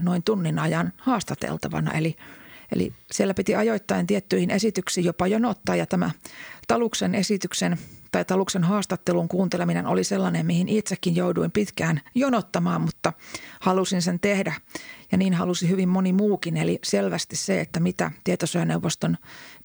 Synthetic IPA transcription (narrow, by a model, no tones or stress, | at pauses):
noint̪unːinɑjɑnhɑːst̪ɑt̪ḛlt̪ɑ̰ʋɑ̰nɑ̰ʔeliʔḛlḭsielːæpit̪iɑjoit̪ːɑent̪iet̪ːyihinesit̪yksiːjopɑjonot̪ːɑːjɑt̪æmæt̪ɑluksenesit̪yksent̪ɑit̪ɑluksenɦɑːst̪ɑt̪ːeluŋkuːnt̪elemineno̰liselːɑnemmihinit̪sekːinjouduimpit̪kæːnjonot̪ːɑmɑːmmut̪ːɑhɑlusinsent̪ehdæjɑniːnhɑlusihyʋimmonimuːkineliselʋæst̪isseet̪ːæmit̪æ̰t̪iet̪osojɑneuʋːost̪on